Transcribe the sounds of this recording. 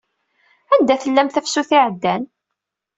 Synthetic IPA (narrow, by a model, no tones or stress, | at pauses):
ænd̪æθəlːæmθæfsuθiʕəd̪ːæn